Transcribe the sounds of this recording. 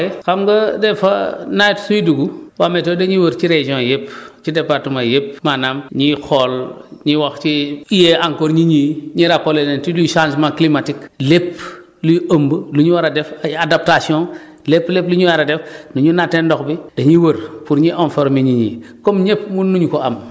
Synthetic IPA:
ixamɡɐdɛfɐnajtsujiduɡuwametoːdɐɲiwɐɾt͡ʃiɾeʒiõjept͡ʃidepaɾtumajepmanamɲixɔlɲiwaxt͡ʃiijeaŋkoɾɲiɲiɲiɾakolenentiluʃãnsmãklimatiklep | lujuʔəmbəluɲuwaɾadɛfadap̚tasjõ | lepːlepluɲuwaɾadefnuɲunatendɔxbid̥ɐɲiwəɾpuɾɲiʔõnfoɾmiɲiɲḭːkomɲepmunːuɲukoam

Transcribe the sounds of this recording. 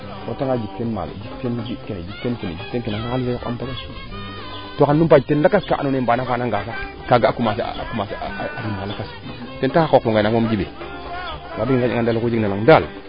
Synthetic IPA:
kotaŋad͡ʒik̚tenma̰l̰d͡ʒiktend͡ʒikened͡ʒiktekened͡ʒik̚tenkenaŋaalisaka̰mpaka | tokanːup̬ad͡ʒtenlakaskaʔa̰nonembanafanaŋɡasa | kaɡaːkumasa̰kumasaɾimalakas | tentaakokoŋɡanakmomd͡ʒibḛ | wabkaiŋadalkod͡ʒnalaŋdal

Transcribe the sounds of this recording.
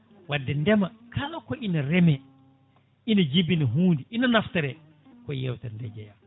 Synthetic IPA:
wadːɛndɛmakʰalakɔʔinaɾɛmɛ | ʔinad͡ʒibinaɦuːndiʔinanaftɛɾɛ | kɔjɛwtanlɛd͡ʒɛja

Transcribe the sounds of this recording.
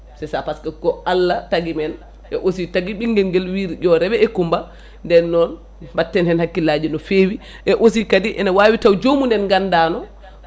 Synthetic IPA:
sɛsapaskɛɡɔalːataɡimɛn | ʔɛʔos̬itaɡiɓiŋɡɛlɡɛlwiɾiɟɔɾɛɓɛɛkumba | ndɛnːɔn | batːɛnhɛnhakːilaːd͡ʒinɔfeːwi | ʔɛʔos̬ikadiʔɛnawaːwitawd͡ʒomunɛnɡandaːnɔ

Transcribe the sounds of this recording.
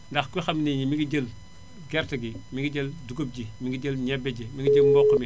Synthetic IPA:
ndɐxkuxɐmniɲimiɡiɟəl | ɡɛɾtɐɡimiɡiɟəlduɡob̚ɟimiɡiɟəlɲɛbeɟimiŋɡiɟəlmbɔkːəmi

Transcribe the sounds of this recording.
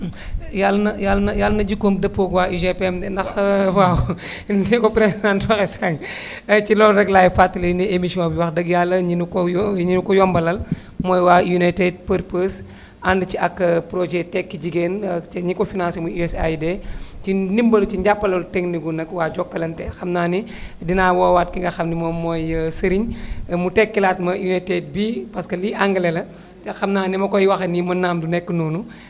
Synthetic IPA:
jalːnɐjalːnɐjalːɐnɐɟikːom̚dɐpːoɡwaːiʒepemdɛndɐxwaw | ikɔpɾesidãntwɐxɛsɐŋ | ɐcilɔɾɛɡlaːjfatːɐlɐniemisiɔ̃biwɐxdɐɡjalːɐɲinukɔjɲinukɔjɔmbɐlɐl | mɔjwaːjunajted̚pəɾpəs | ʔandt͡ʃiɐkːɐpɾoʒɛtɛkːiɟiɡeːnɲikɔfinaːnsemuuɛsajdɛtinimbɐlut͡ʃiɲɟapːɐlɐltɛŋniɡunɐkwaːd͡ʒɔkːɐlɐntɛxɐmnaːnidinaːwɔːwaːtkiŋɡɐxɐmnimomɔjsɐɾiɲmutɛkːilaːtmɐjunated̚bipɐskɐliʔaŋɡɐlɛlɐ | ixɐmnaːnimɐkɔjwɐxɐnimɐnːaːmdunɛkːənuːnu

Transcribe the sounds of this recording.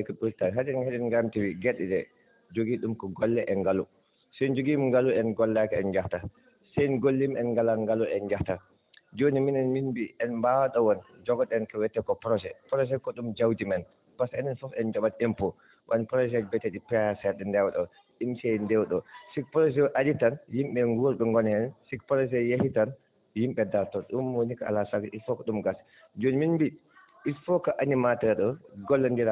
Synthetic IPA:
ɛkɗultanɦad͡ʒɛnhad͡ʒɛnɡamtiwiɡɛɗɛɗɛ | d͡ʒoɡiɗumkɔɡɔlːɛʔɛnɡalu | sɛnd͡ʒoɡimiŋɡaluɛnɡɔlːakaɛnd͡ʒafta | sɛjnɡolːimɛnɡalanŋɡaluɛnd͡ʒafta | d͡ʒoniminɛnminbiʔɛnmbawaɗɔwɔnd͡ʒɔɡɔɗɛnkɔwɛtːɛkɔpɾɔsɛpɾɔs̬ɛkɔɗumd͡ʒawdimɛn | pasɛnɛnfɔfɛnd͡ʒɔɓatɛmpɔ | wʔanpɾɔsɛbɛtːɛɗipɛasɛɗɛndɛwɗɔ | ɗimsɛndɛwɗɔsik̚pɾɔs̬ɛʔaditanjimɓɛŋɡuɾɗɔŋɡɔnhɛnsikpɾɔs̬ɛjahitan | jimɓɛdaɾtɔɗumwonikaa̰lasaɡaʔitfɔkɔɗumɡas | d͡ʒonminbi | ʔitfɔkɔʔanimatɛɾɗɔɡɔlːandiɾa

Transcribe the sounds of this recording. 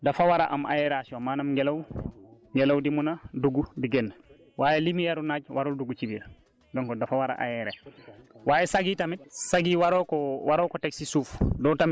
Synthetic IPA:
dafawaɾa̰ʔa̰ma̰jeɾasiomaːnamŋɡelawŋɡelawdimunaduɡubiɡenː | waːjelimijaɾunaːɟwʔaɾulduɡucibiɾ | doŋkodafawaɾa̰ʔa̰jɛɾḛ | waːjesaɡiːtamit̚saɡiwaɾokowaɾokoteksisuːfdotami

